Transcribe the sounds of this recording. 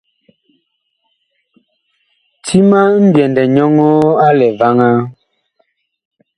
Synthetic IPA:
tʰi˦ma˦m̩˦bjɛ˨ndɛ˨ɲɔ˦ŋɔ˦a˦lɛ˨va˦ŋa˦

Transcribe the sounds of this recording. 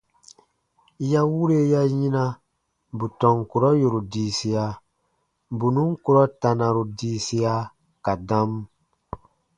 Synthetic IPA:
ja˦wu˦ɾe˦ja˦jĩ˦na˦ | bu˨tɔ̃˨ŋku˨ɾɔ˦ju˨ɾu˨diː˨˦si˦ja˨ | bu˨nũ˦ŋ˦ku˨ɾɔ˦ta˨na˨ɾu˨diː˦si˦ja˦ | ka˨dã˦m

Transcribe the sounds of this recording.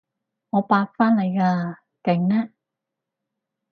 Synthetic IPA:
ŋɔː˨˧paː˧k̚faː˥nle˨˧jkaː˧ | kɪ˨˩ŋnɛː˥

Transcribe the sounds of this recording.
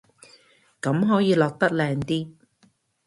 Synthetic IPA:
kɐ˨˧˥mɦɔː˨˥jiː˨˧lɔː˨k̚t̪ɐ˥k̚lɛː˨˧ŋt̪iː˥

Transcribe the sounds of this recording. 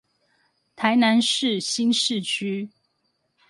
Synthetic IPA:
t̪ʰa˨˥ɪna˧˦nʂɻ̩˥˨ɕi˥nʂɻ̩˥˨t͡ɕʰy˥

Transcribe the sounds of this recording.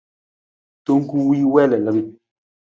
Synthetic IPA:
to˦ŋ˦ku˦wi˦wɛ˦lɛ˨lə˨bi˦

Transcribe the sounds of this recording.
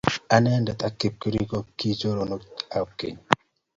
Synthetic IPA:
a˨ne˦nda˨t̪a˨kːi˨p̚ku˦ɾikokːi˦d͡ʒo˦ɾonoa˨p̚kːḛ˨ɲ

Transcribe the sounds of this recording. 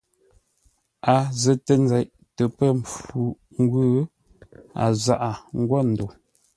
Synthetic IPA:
a˨zə˨tə˦˨n˦d͡zɛ˨ʔ | tə˨pə˦˨m̩˨p͡fu˨ | ŋ˦ɡwʉ˦ | a̰˨za˦ʔa˨ŋ̩˦ɡwɔ˦˨n̩˨do˨

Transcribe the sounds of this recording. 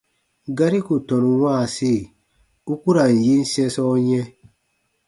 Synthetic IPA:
ɡa˦ɾi˦ku˨tɔ˨nũ˨wʷã˦˨se˦˨ | u˦ku˦ɾa˨n̩˨ji˦n̩˦sɛ̃˦sɔ˦ɲɛ̃˦

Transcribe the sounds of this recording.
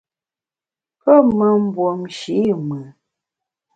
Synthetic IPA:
pə˦mə˨m̩˦bwo˨mʃi˨˦˨mɨ˨

